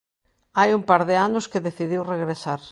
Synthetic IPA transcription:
ajumpaɾðɪanʊskeðeθiðiwreɣɾesaɾ

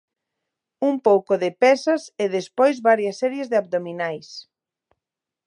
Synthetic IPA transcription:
umpowkoðɪpɛsɐseðespojzβaɾjɐsːɛɾjezðɪab̚d̪ominajs

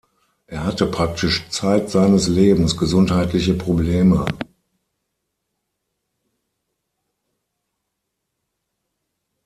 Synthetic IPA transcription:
ʔeːɐhatəpʁ̥ak̚tʰɪʃt͡saɪtz̥aɪnəsleːbm̩sɡ̥əzʊnthaɪtlɪçəpʁ̥obleːmə

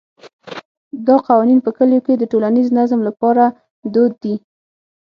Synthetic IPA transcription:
d̪ɑqɑwɑninpəkəljoked̪əʈolaniznazmlapɑɾa | d̪od̪ːi

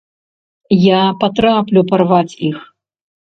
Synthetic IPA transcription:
japat̪ɾaplʲuparvat͡sʲix

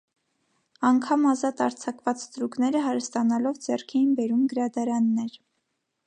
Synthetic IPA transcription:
ɑŋkʰɑmɑzɑt̪ɑɾt͡sʰɑkvɑt͡sst̪ɾuknɛɾəɦɑɾəst̪ɑnɑlɔvd͡zɛrkʰɛjinbɛɾumɡəɾɑd̪ɑɾɑnːɛɾ

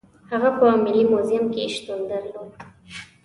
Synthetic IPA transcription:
haɣapəawmɪlimozɪmkeʃt̪und̪aɾd̪u

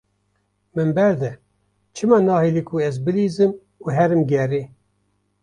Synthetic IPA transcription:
mɨmbɛɾd̪ɛ | t͡ʃʰɨmɑnɑːheːlikʰuɛzbɨliːzɨm | uɦɛɾɨmɡɛreː

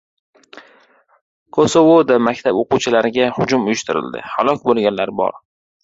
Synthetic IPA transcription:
kʰosovod̪amakʲt̪ʰaboqʊwt͡ʃʰɪlaɾɪɡʲahʊd͡ʒʊmʊjʊʃt̪ʰɪɾɪ̰ld̪ɪ̰ha̰lˠɒkʲbolˠɡʲanlaɾbɒ̰ɾ

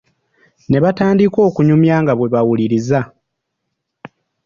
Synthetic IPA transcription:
ne̞βataːndiko̞ːkuɲumjaːŋɡaβwe̞βawuliɾiza

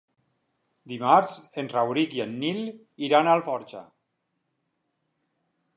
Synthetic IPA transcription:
d̪imaɾzenrawɾikienːil | iɾanalfɔɾt͡ʃa̰

